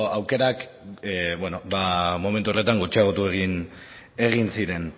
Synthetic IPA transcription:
awke̞ɾak | bweno̞bamo̞me̞nt̪uo̞re̞t̪aŋɡot͡ʃaɣot̪ueɣin | e̞ɣinsiɾe̞n

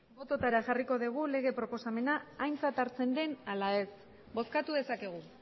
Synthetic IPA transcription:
bo̞t̪o̞t̪aɾaʝariko̞ðiɣ̞ule̞ɣ̞e̞pɾo̞po̞same̞naːjnt͡sat̪aɾt͡se̞nd̪e̞nalae̞s | bo̞skat̪uðe̞sake̞ɣ̞u

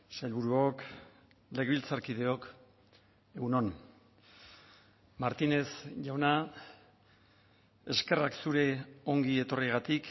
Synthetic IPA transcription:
sajlβuɾuok | le̞ɣilt͡saɾkið̞e̞o̞k | eɣuno̞n | maɾt̪ine̞sʝawna | e̞ske̞raksuɾe̞o̞ŋɡie̞t̪o̞riɣ̞at̪ik

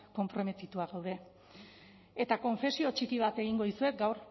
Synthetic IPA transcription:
ko̞mpɾo̞me̞t̪it̪uaɣawðe̞ | et̪ako̞ɱfe̞sio̞t͡ʃikiβat̪e̞ɣ̞iŋɡo̞ðisue̞kɡawɾ

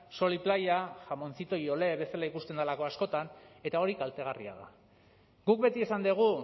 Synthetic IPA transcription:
so̞liplajaʝamo̞nt͡sit̪o̞jo̞le̞βe̞salaikust̪e̞nd̪alako̞asko̞t̪ane̞t̪ao̞ɾikalt̪e̞ɣ̞arḭa̰ða̰ | ɡuk̚be̞t̪iesand̪eɣ̞u

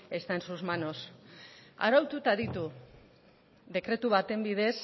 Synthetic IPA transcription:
e̞st̪aensuzmano̞s | a̰ɾawt̪ut̪aðit̪u | ðe̞kɾe̞t̪uβat̪e̞mbiðe̞s

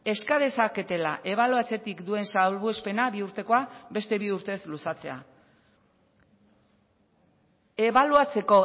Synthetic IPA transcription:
e̞skað̞e̞sake̞t̪e̞laʔe̞β̞aluat͡se̞t̪ikd̪ue̞nsalβuespe̞naβiuɾt̪e̞ko̞abe̞st̪e̞βiuɾt̪e̞slusat͡se̞a̰ | e̞βaluat͡se̞ko̞

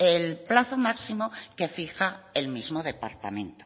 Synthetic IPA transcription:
elplaθomaksimoke̞fixae̞lmizmoðepa̰ɾt̪a̰mẽ̞nt̪o

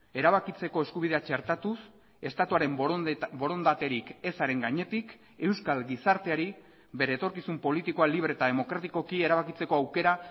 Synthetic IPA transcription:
e̞ɾaβakit͡se̞ko̞e̞skuβ̞iðe̞at͡ʃe̞ɾt̪at̪us | e̞st̪at̪uaɾe̞mbo̞ɾo̞nd̪at̪e̞ɾike̞saɾe̞ŋɡaɲe̞t̪ik | e̞wskalɡisaɾt̪e̞aɾi | be̞ɾe̞ːt̪o̞ɾkisumpo̞lit̪iko̞aliβ̞ɾet̪aðe̞mo̞kɾat̪iko̞kie̞ɾaβakit͡se̞ko̞awke̞ɾa

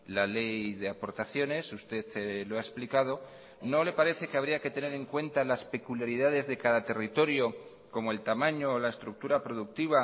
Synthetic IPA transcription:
lale̞jðe̞apo̞ɾt̪aθjo̞ne̞sust̪e̞ðeloaesplikað̞o̞ | no̞le̞paɾe̞θe̞keaβ̞ɾiake̞t̪e̞ne̞ɾe̞ŋkwe̞nt̪alaspe̞kuljaɾiðað̞e̞zðe̞kaðat̪e̞rit̪o̞ɾjo̞ | ko̞moe̞lt̪amãɲoːlae̞st̪ɾuk̚t̪uɾapɾoðuk̚t̪iβ̞a

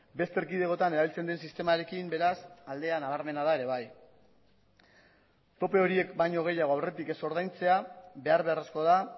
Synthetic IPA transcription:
be̞st̪e̞ɾkiðe̞ɣo̞t̪ane̞ɾaβilt͡se̞nd̪e̞nsist̪e̞maɾe̞kimbe̞ɾasald̪e̞anaβaɾme̞nað̞ae̞ɾe̞β̞aj | t̪o̞pe̞o̞ɾie̞kbajɲo̞ɣ̞e̞jaɣ̞o̞awre̞t̪ikeso̞ɾð̞ajnt͡se̞aβe̞aɾβe̞aresko̞ð̞a

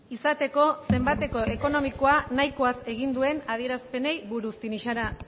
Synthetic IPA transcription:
isat̪e̞ko̞se̞mbat̪e̞ko̞eko̞no̞miko̞anajkoase̞ɣ̞ind̪ue̞naðie̞ɾaspe̞ne̞jβuɾust̪iniʃaɾa

